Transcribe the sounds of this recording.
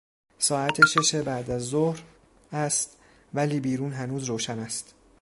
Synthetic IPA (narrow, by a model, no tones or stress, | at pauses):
sɒːæt̪ʰeʃe̞ʃe̞bæːd̪æzːohɾ | æst̪ | væliːbiːɾuːnɦænuːzɾoːʃænæst̪